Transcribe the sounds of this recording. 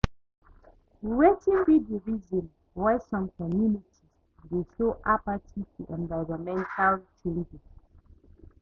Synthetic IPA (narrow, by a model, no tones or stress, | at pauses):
wetĩŋbidiɹizɔ̃n | waɪsɔ̃mkɔmjunitʰiz | desoʔapatʰifuʔɛ̃nvaɪɹɔmɛ̃ntʰalt͡ʃẽnd͡ʒis